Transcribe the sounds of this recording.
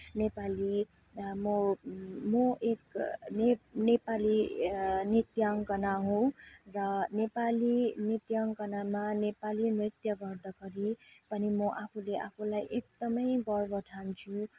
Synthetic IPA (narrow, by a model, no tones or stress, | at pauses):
nepali | mʌ | mʌʔeknenepali | nit̪jʌŋkʌnaɦũrʌnepalinit̪jʌŋkʌnamanepalinrit̪jʌɡʌrd̪ʌkʌɾipʌnimʌʔapʰuleʔapʰulajʔek̚d̪ʌmʌjbʌrbʌʈ̪ʰant͡sʰu